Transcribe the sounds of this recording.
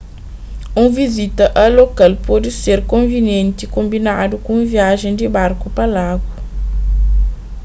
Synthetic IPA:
ũvizit̪ɐʔɐlokalpɔd̪iseɾkõnvinjẽnt̪ikõmbinad̪ukõũviaʒẽd̪ibaɾkupɐlaɡwɐ

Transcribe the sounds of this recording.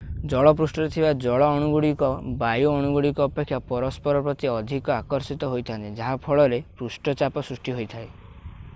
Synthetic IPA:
d͡ʒɔɭɔp̬ɾusʈɔɾet̪ʰibad͡ʒɔɭɔɔɽ̃uɡuɽikɔbajuɔɽ̃uɡuɽikɔːpekʰːjapɔɾɔspɔɾɔpɾɔt̪iɔd̪ʱikɔakɔɾsit̪ɔɦojt̪ʰant̪id͡ʒaɦapʰɔɭɔɾepɾusʈɔt͡ʃapɔsɾusʈiɦojt̪ʰae

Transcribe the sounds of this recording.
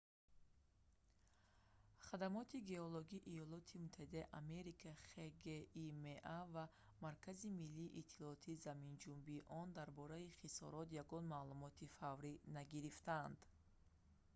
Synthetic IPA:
χad̪amɔt̪ʰiɡe̞ɔloɡiːʔːjɔlɔt̪ʰimut̪ʰːahid̪aiʔame̞ɾikʰaχeɡeimeʔava | maɾkʰazimilːiːʔit̪ʰːilɔɔt̪ʰiːzamind͡ʒumbiːʔɔnd̪aɾbɔɾaiχisɔ̰ɾɔt̪jaɡɔnmalumɔt̪ʰifavɾinaɡiɾift̪and̪

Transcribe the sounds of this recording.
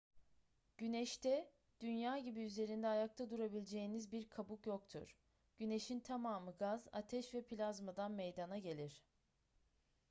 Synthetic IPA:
ɟ̥ynɛʃt̪ʰɛ | d̪̥ynjaːɟibiyze̞ɾind̪ɛːjak̚t̪ʰad̪uɾabilʲd͡ʒe̞jinizbiɾkʰabukjo̞kt̪ʰṵɾ̥ | ɟ̥yne̞ʃint̪ʰamaːmɯɡaza̰t̪ʰɛʃvɛpʰilʲazmad̪anmejd̪anaɟe̞lʲiɾ̝̥

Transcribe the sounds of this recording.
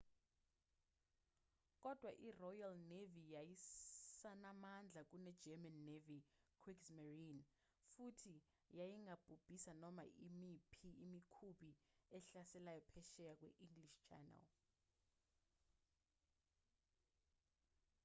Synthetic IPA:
k̬ʼɔd̥ʱwaʔirɔjalnevijajisanamand͡ɮʱak̬ʼunɛd̥d͡ʒ̥ʱɛmanːevikʰwiksmarin | futʰi | jajiŋab̥ʱub̥ʱisanɔma̰imipʰiːmikʰuɓiɛɬasɛlajɔpʰɛʃɛjak̬ʼwɛ̰ʔiŋɡliʃt͡ʃʰɛ̰na̰l

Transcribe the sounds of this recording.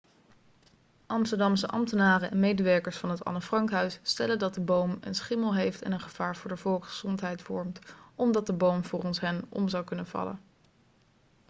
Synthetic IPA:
ʔɑmstəɹdɑmsəʔɑ̰mtənaːrəʔɛnmejdəʋɛɹkəɹsfɑnɦətɑ̰nəfrɑŋkɦœɥsːtɛləndɑt̚dəbowmə̰nsχɪməlˠɦejftɛ̰nənχəv̥aːɹvʊːɹdəvɔlˠkχəz̥ɔntɦɛjtfɔɹmtɔmdɑt̚dəbowmvʊːrɔnsɦɛnʔɔ̰mzɑwkɵnənvɑ̰lə̰n

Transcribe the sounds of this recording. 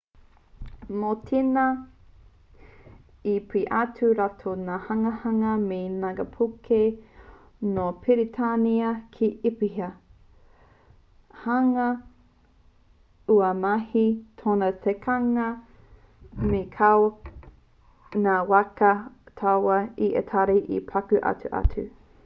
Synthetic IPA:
notʰinɐ | ipʰiʔatʰuɾatʰonaːhɐŋɐhɐŋɐmenaɡɐpʰukʰe | nopʰiɾitʰaniɐkʰiʔipihɐ | haŋɐ | uɐmahitʰonɐtʰekʰaŋɐ | mekʰawo | naːwakɐtʰawɐiʔḛt̪ʰaɾiʔḭpʰakʉʔɐ̰tʉ̰ʔa̰tʰʉ̰

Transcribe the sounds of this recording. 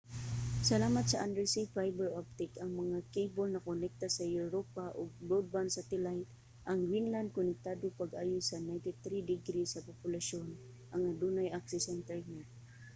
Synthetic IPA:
sɐlaːmat̪sɐʔand̪ɛɹsifajbɛɹʔap̚t̪ɪkɐŋmɐŋakejbolnɐkʊnɛk̚t̪asɐjʊɾopaʔoɡ̚ɹowd̪̚bansat̪ɛlajt̪̚ | ʔɐŋɹiŋland̪̚kʊnɪk̚t̪ad̪opaɡʔaːjʊsɐnajnt̪ɪt̪ɾid̪ɪɡɾisɐpopʊlaʃon | ʔɐŋad̪unajʔaksɪsɛnt̪ɛɹna

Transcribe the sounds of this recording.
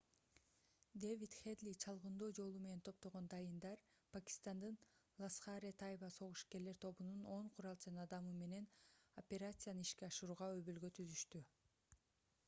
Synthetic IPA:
d̪evit̪χed̪lʲit͡ʃʰɑlˠʁɯnd̪oːd͡ʒo̞lˠume̞ne̞nt̪ʰo̞p̚t̪o̞ʁo̞nd̪ɑjɯnd̪ɑɾpakʲi̥st̪ɑnd̪ɯnlˠasχɑɾʲet̪ʰajbɑso̞ʁuʃke̞ɾle̞ɾt̪ʰo̞βununo̞ɴqʰuɾɑlˠt͡ʃɑnɑd̪ɑmɯme̞ne̞nopʲe̞ɾat̪sɨjanɯiʃkeɑʃɯɾuːʁɑøβylɡø̞t̪ʰyzyʃt̪y

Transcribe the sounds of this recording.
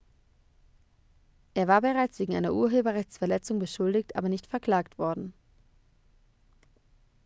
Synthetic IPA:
ʔeːɐvaːɐbəʁaɪt͡sv̥eːɡŋ̩a̰ɪnɐʔuːɐɦøːbɐʁɛçt͡sfɛɐlɛt͡sʊŋbəʃʊldɪçtʔa̰ːbɐnɪçtfɛɐkl̥aːktv̥ɔɐdn̩

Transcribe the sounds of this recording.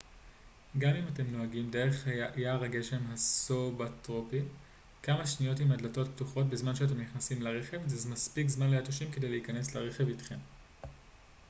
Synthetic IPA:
ɡamimate̞mnoaɡimde̞ʁeχhaajaʁaɡe̞ʃe̞mɦasobatʁopi | kamaʃnijo̞timadlato̞tptuχo̞tbezmanʃeat̬e̞mniχnasimlaʁe̞χe̞vzezmaspikzmanleatoʃimkede̞jleikane̞sleʁe̞χe̞vitχem

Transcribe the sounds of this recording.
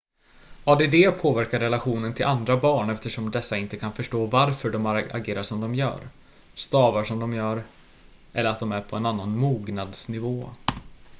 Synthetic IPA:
ɑd̪ɛd̪ɛːpʰoːvæɾkaɾɛlaɧuːnənt̪ʰɪlʔand̪ɾabɑːɳɛft̪əʂɔmd̪ɛsːaɪnt̪əkʰanfœʂʈoːvaɾfœɖɔma̰ɡeːɾaʂɔmd̪ɔmjœ̰ːɾ | st̪ɑːvaʂɔmd̪ɔmjœːɾ | ʔɛ̰lːəɾat̪̚d̪ɔmæɾpʰɔɛnanːanmuːɡnad̪snɪvoː

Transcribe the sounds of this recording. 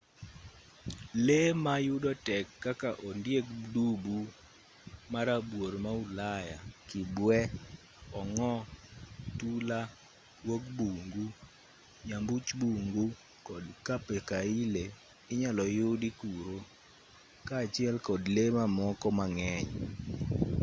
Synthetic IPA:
lemajʊdɔtɛkːakaʔɔndjekdubu | maɾabwoɾmaulajakɪbwɛ | ɔŋɔ | tula | wokbuŋɡu | ɲambut͡ʃbuŋɡu | kɔdkapekaile | ɪɲalɔjʊdikuɾo | kaːt͡ʃɪɛlkɔdlemamɔkɔmaŋɛɲ

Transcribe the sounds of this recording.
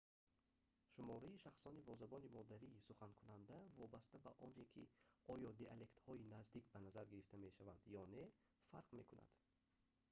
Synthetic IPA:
ʃumɔɾaiʃaχsɔnibɔzabɔnimɔd̪æɾiːsuχankʰunand̪ævɔbast̪abaʔɔnekʰḭɔjɔd̪eʔale̞kt̪hɔinazd̪ikbanazaɾɡiɾift̪ame̞ʃavand̪jɔne̞ | faɾqme̞kʰuna̰d̪̥

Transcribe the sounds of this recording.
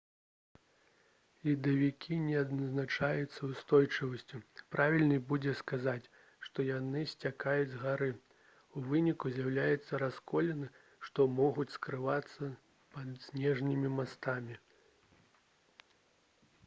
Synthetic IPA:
lʲid̪ɐvʲikʲinʲɛad̪nɐznat͡ʂajut̪sːɐwst̪ɔjt͡ʂɨvɐsʲt͡sʲupɾavʲilʲnɨbud͡zʲɛskazat͡sʲ | ʂt̪ɔjanɨsʲt͡sʲakajud͡zʲɣaɾɨ | uvɨnʲikuzʲjawlʲajɛt̪sːɐɾaskɔlʲɛnɨ | ʂt̪ɔmɔɣut͡sʲskɾɨvat̪sːɐ | pɐd̪sʲnʲɛʐnʲimʲimast̪amʲi

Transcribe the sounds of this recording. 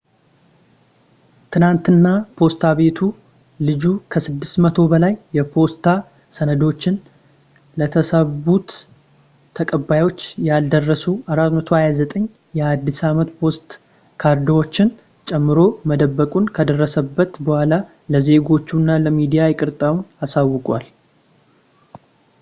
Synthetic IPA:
t̪ʰɨnant̪ɨnːapʰo̞st̪ʰaβe̞t̪ʰu | lɨd͡ʒukʰəsɨd̪ːɨsmət̪ʰo̞bəlajːɛpʰo̞st̪ʰa | sənəd̪o̞t͡ʃːɪn | lət̪ʰəsəβut̪ʰː | əkʼəbːajo̞t͡ʃːjald̪ərːəsuaɾat̪mət̪ʰohajazət̪ʼəɲː | jɛad̪ːisamət̪pʰo̞st̪ʼ | kʰaɾd̪wo̞t͡ʃːɪn | t͡ʃʼɛmːɨɾo̞məd̪əbːəkʼunkʰəd̪ərːəsəbːət̪bəhʷala | ləze̞ɡo̞t͡ʃːunːaləmid̪ijajɪkʼɨɾt̪ʼawunasawːɨkʼwal

